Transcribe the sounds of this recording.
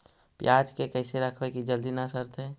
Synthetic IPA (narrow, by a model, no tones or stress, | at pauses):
pjaːd͡ʒkekɛɪseɾəkʰwekid͡ʒəld̪inasəɾt̪ɦe